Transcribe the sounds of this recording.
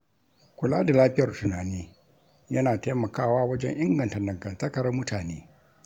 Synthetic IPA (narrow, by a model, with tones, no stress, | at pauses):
kʷʊ˨laː˦da˨laː˦ɸɪ˦jɐ˨rtʊ˨naː˨neː˦ | jɐ˦naː˨teː˦mɐ˨kaː˦˨waː˦wɐ˦d͡ʒɛ̰˦ɲʔɪ˦ŋɡɐ˨ntɐ˨dɐ˨ŋɡɐ˨ntɐ˦kɐ˨ɾɐ˦mʊ˦taː˨neː˦